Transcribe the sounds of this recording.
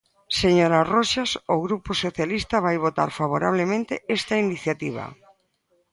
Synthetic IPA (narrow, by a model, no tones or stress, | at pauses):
seɲoɾaroʃasoɣɾuposoθjalist̪aβ̞ajβ̞ot̪a̰ɾfaβ̞oɾaβ̞lemẽnt̪ḛest̪ainiθjat̪iβ̞a̰